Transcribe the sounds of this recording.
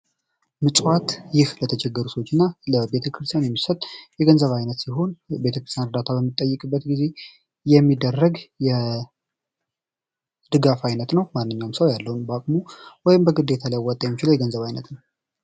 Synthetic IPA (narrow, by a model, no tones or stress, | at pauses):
mɨsʼwat̪jɪhlət̪ʰəd͡ʒɛɡːəɾusəwot͡ʃːɪnːaləbe̞t̪ʰəkʰɾɨst̪ʰjanjɛmːisət̪ʼjɛɡənzəβajnət̪siɦo̞nbe̞t̪ʰəkɾɨst̪ʰjanɨɾd̪at̪ʰabəmːɨt̪ʼːəjːɨkʼɨbːət̪ɡize̞ | jɛmːid̪ːərːəɡjɛ | d̪̥ɨɡafajnət̪nəwmanːɨɲːawmsəwjalːəhunbəakʼmuwɔjɪmbəɡɨd̪ːe̞t̪ʰalajwɔt̪ʼːəjɛmːit͡ʃilowjɛɡənzəβajnət̪nəw